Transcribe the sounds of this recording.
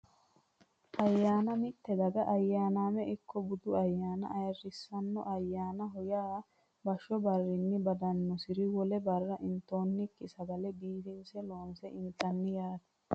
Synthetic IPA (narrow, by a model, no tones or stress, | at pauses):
ʔɐjːaːnɐmɪt̪ːɛd̪ɐɡɐʔɐjːaːnaːmɛʔɪkʰːɔbʊd̪ʊɐjːaːnɐ̰ːjɐrɪsːɐnːɔ̰ʔɐjːaːnɐɦɔjaː | bɐʃːɔbɐrːɪnːɪbɐd̪ɐnːɔsɪɾɪwɔlɛbɐrːɐʔɪnt̪o̞ːnːɪkːɪsɐbɐlɛbiːt̪ɪnsɛloːnsɛʔɪnt̪ɐnːɪjaːd̪ɐ̥